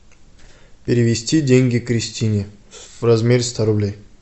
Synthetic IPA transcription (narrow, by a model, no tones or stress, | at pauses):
pʲɪɾʲɪʋʲɪsʲtʲidʲeŋʲɡʲikɾʲɪsʲt̪ʲinʲeɾɐzmʲeɾst̪ʰaɾʊblʲej